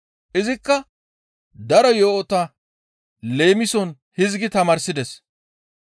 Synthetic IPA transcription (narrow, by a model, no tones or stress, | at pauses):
ʔɪzɪkːɐ | d̪ɐɾɔjoːʔɔt̪ɐ | le̞ːmɪsɔn | hɪzɡɪt̪ɐmaːɾsɪd̪ɛs